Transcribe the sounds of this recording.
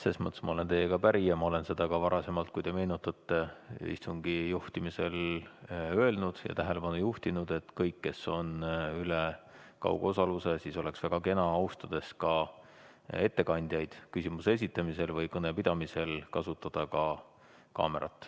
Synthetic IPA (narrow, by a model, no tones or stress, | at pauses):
sesmɤt̪ːˑesmɑo̞le̞nt̪e̞jːekɑpæɾijɑmɑo̞le̞nse̞d̪̥ɑkɑvɑɾɑse̞mɑlt̪̚kujd̪̥e̞me̞ːnut̪ːˑɑt̪ːeḭst̪uŋɡ̥ijuht̪imise̞l | ø̞elnud̪̥jɑ̰t̪æɦe̞le̞pɑnujuht̪inud̪̥e̞t̪ːkɤjkːe̞so̞nyle | kɑ̰wɡo̞sɑluse̞siːso̞le̞ksvæɡ̥ɑke̞nɑɑust̪ɑd̪̥e̞skɑ | e̞t̪ːe̞kɑnʲd̪̥ʲjɑjd̪̥kysimusees̬ʲit̪ːˑɑmise̞lvɤjkɤne̞pid̪̥ɑmise̞lkɑsut̪ːˑɑd̪̥ɑkɑ | kɑ̰ːme̞̰ɾʔɑ̰t̪ːˑ